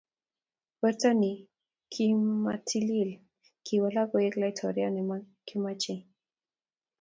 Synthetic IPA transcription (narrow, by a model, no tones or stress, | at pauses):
bɛɾtani | kʰimatʰilil | kʰiwalakɔjɛklajtʰɔɾianɛma | kimat͡ʃi